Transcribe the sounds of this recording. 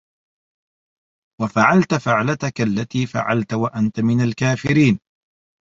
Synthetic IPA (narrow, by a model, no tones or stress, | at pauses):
wafaʕalt̪afɪʕlat̪akalːat̪iːfa̰ʕalt̪awaʔant̪amɪnalkaːfɪɾiːn